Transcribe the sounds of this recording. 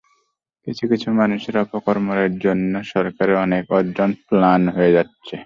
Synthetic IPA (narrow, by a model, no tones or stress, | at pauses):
kit͡ɕʰukit͡ɕʰumanuʃeɾɔpokɔɾmoɾeɾd͡ʑonːoʃɔɾkaɾeɔnekɔɾd͡ʑonplanɦoed͡ʑatːɕʰe